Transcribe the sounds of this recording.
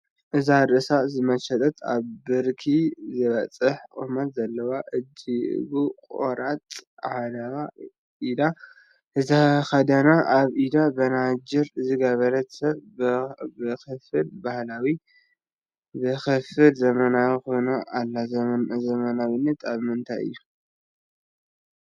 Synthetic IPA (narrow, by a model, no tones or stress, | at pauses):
ʔɨzaɾʔɨsazɨmɐt͡ʃɐt̪ʼɐt̪ʰa̰βbɨɾkʰizɨβɐt͡sʼɨħkʼumɐt̪zɐlːɐwaʔɨd͡ʒiʔɨ̰ɡukʼo̰ɾat̪ʼʕad̪ɐβa | ʔid̪a | ʔɨzaxɐd̪ɐnaʔaβʔid̪abɐnad͡ʒɪɾzɨɡɐβɐɾɐt̪sɐβ | bɨxɨfɨlbahlawi | bɨxɨfɨlzɐmɐnawixojnoʔalːazzɐmɐnawinːɐt̪ʰaβmɨnt̪ʰa̰jɨ̰jːu